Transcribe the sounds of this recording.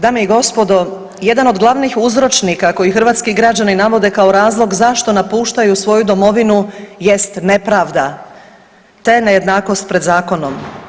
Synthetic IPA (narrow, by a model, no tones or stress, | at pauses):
d̪aːmeiɡo̞spo̞d̪o̞ | je̞d̪anod̪ɡlˠaʋniːxuzɾo̞t͡ʃnikako̞jixr̩ʋaːt̪skiɡɾad͡ʑaninaʋo̞d̪e̞kao̞ɾaːzlˠo̞ɡzaʃt̪o̞napuːʃt̪ajusʋo̞jud̪o̞mo̞ʋinuje̞st̪ne̞pɾaːʋd̪a | t̪eneje̞d̪naːko̞st̪pɾed̪zaːko̞nom